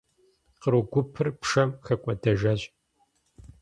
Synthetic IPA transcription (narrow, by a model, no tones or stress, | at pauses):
qəɾɨɡʷʊpʰɨrpʂɐmxɐkʷʼɐdɐʒɐɕʼ